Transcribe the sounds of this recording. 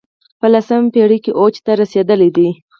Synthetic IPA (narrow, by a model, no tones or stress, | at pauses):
pəlasəmpeɽikeʔot͡ʃt̪aɾased̪əled̪i